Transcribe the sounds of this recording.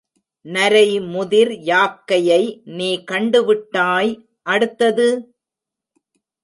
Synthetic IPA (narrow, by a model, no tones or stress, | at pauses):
nɐɾɐɪmʊðɪɾjaːp̚kɐjɐɪniːkɐɳɖɯʋɪʈːaːj | ʔɐɽɯt̪ːɐðɯ